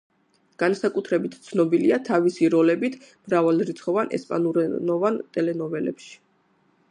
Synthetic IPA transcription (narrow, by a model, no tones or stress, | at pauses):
ɡ̥ansakʼut̪ʰɾɛbit̪ʰt̪sʰnɔbiliat̪ʰavisiɾɔlɛbit̪ʰmɾavalˠɾit̪sʰχɔvanɛ̰spʼa̰nuɾɛnɔvant̪ʼɛlɛnɔvɛlɛ̰pʃi̥